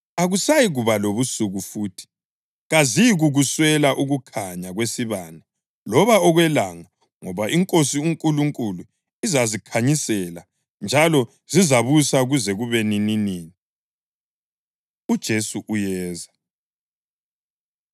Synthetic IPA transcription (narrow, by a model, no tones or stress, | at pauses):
aɣusajiɣuβaloβusuɣufuːtʰi̥ | ɣaziɣuɣuswɛlaʔuɣukʰaɲaɣwesiβana | lɔβaɔɣwɛlaŋa | ŋɔβaʔiŋkʼosiuŋkʼuluŋkʼulu | izazikʰaɲisɛla | nd͡ʒʱalɔ | zizaβusauɣuzɛɣuβɛnininiːni | ud̥ʒ̥ʱesuʔujɛːza